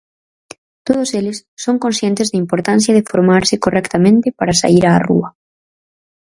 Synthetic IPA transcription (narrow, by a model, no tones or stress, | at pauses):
t̪oð̞oselɪsːoŋkõnsθjɛnt̪ɪzðɐimpoɾt̪an̟θjɐðɪfoɾmaɾsɪkorɛkt̪amẽnt̪ɪpaɾasa̰iɾaːrṵɐ